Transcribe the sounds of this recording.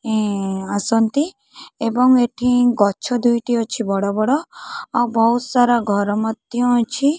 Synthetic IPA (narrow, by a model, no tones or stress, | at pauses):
ẽasɔnt̪i | ebɔŋeʈʰĩɡɔt͡ʃʰɔd̪ʱujʈiɔt͡ʃʰibɔɽɔbɔɽɔawbɔɦusaɾaɡʱɔɾɔmɔt̪jɔ̃t͡ʃʰi